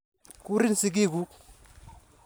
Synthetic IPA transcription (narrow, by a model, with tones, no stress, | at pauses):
ku˦ɾi˦nsi˨k̬i˦ku˦